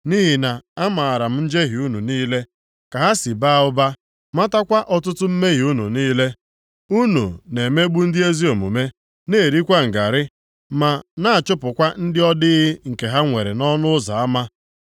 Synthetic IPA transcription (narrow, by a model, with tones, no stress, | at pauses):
ni˦ɦi˨na˨a˦ma˨a˨ɾa˨m̩˦n̩˦d͡ʒe˦ɦi˨u˦nṵ˨niː˦le˦ | ka˨ɦa˦si˨ba˦ʊ˦ba˦ | ma˦ta˦kʷa˦ʔɔ˦tʊ˦tʊ˦m̩˦me˦ɣi˨u˦nṵ˨niː˦le˦ | u˦nṵ˨ne˨me˦ɡ͡bu˦n̩˦dɪ˦e˦zi˦o˨mṵ˨me˦ | ne˦˨ɾi˦kʷa˦ŋ̩˨ɡa˨ɾɪ˦ | ma˨na˦a˨t͡ʃʊ˦pʊ˨kʷa˦n̩˦dɪ˦ɔ˦dɪ˦ɣɪ˦ŋ̩˨ke˨ɦa˦ŋʷe˨ɾḛ˨nɔ˦nʊ˦za˨a˦ma˦